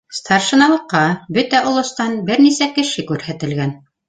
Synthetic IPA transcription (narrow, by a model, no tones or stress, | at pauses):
st̪ʰɑrʃɤ̆nɑlˠɤ̆qːɑbɵt̪æʔŏlˠɤ̆st̪ɑnbɘɾnisækɘ̆ʃɘkʉɾhæt̪ɘ̆lɡæn